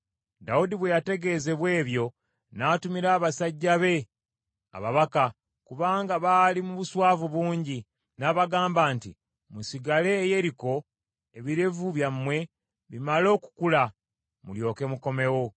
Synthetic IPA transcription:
daudiβwe̞jate̞ɡe̞ze̞βwe̞ːβjo̞ | naːtumiɾaːβasaɟːaβe̞ | a̰βaβaka | kuβaːŋɡaβalimuβuswaːvuβuːɲɟi | naβaɡaːmbaːntḭ | musiɡale̞ːje̞ɾiko̞ | e̞βiɾe̞vuβjamːwe̞ | βimalo̞ːku̥kula | muljo̞ːke̞muko̞me̞wo̞

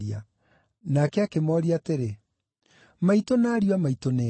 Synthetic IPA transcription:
ia | nakɛakemɔɾiateɾe | maitonaːɾjwamaitone

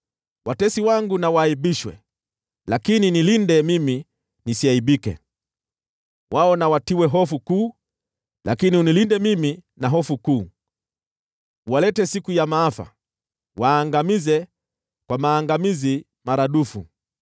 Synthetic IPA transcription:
wʔatɛsiwaŋɡunawaiɓiʃwɛ̰ | lakininilindɛmimi | nisiaiɓikɛ̰ | wʔaɔnawatiwɛɦɔfukuː | lakiniunilindɛmiminaɦɔfukuː | walɛtɛsikujamaafa̰ | waːŋɡamizɛ | kwamaːŋɡamizi | maɾaɗufu

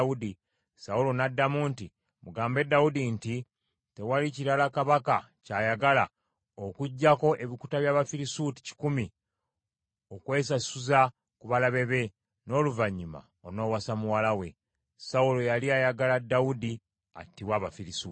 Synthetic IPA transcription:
udi | saulo̞nadːamuːnti | muɡaːmbe̞dːaudinti | te̞waliciɾalakaβaka | caːjaɡala | okuɟːako̞ʔe̞βiku̥taβjaːβafiɾisuti̥ci̥kumi | okwe̞ːsasuza | kuβalaβe̞βe̞ | no̞ːluvaɲːuma̰ | ono̞ːwasamuwalawe̞ | saulo̞jaliajaɡaladːaudi | a̰tːiwaːβafiɾisu

